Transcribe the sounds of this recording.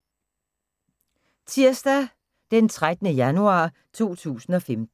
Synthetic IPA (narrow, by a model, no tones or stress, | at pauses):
t͡sʰiɐ̰sd̥æ | d̥ent͡sʰʁad̥nəjænuɑ̰̈ː | t͡sʰo̝̰ːt͡sʰṵːsn̩ɒ̽femd̥̩